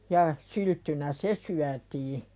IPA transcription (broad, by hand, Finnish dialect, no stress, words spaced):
jɑ syltːynæ se syætiː